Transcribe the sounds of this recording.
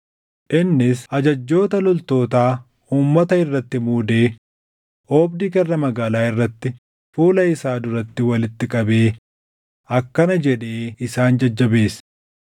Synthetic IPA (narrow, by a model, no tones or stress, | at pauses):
ʔɪnːɪsɐd͡ʒɐd͡ʒːo̞ːt̪ɐlɔlt̪o̞ːt̪aː | uːmːɐt̪ɐɪrːɐt̪ːɪmuːd̪e̞ː | oːbd̪ikɛrːɐmɐɡaːlaːɪrːɐt̪ːɪ | fuːlɐɪsaːd̪ʊɾɐt̪ːɪwɐlɪt̪ːɪkʼɐbe̞ː | ɐkːɐnɐd͡ʒɛᶑeːɪsaːnd͡ʒɐd͡ʒːɐbe̞ːs